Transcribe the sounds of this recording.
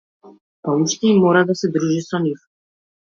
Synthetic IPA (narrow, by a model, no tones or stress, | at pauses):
pauʃt̪ɛimːɔɾad̪asɛd̪ɾuʒisɔnif